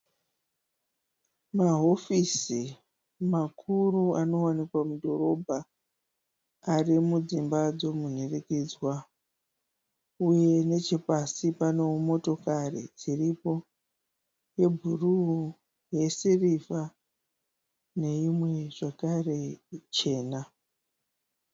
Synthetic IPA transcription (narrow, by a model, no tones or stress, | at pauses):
maɦo̞fisi | makʰuruano̞wanikwamudʱo̞ɾo̞bʱa | rimud͡zimbad͡zo̞mun̤erekiːd͡zwa | uje̞ne̞t͡ʃepasipane̞umo̞to̞karḭd͡ziripo̞ | je̞bʱuru | je̞siriva | ne̞imwe̞ʐ̥akare̞t͡ʃe̞ːna